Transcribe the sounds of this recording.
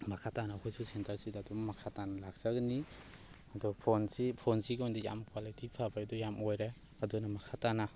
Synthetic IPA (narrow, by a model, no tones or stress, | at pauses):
mɐkʰatanakʰojsusentɐɾsidaːdɔmɐkʰatanɐlak̚sɐɡni | ɐdɔpʰonsipʰonsiɡondija̰mkwalitipʰabaadɔjamojɾe | ɐdɔnɐmɐkʰatana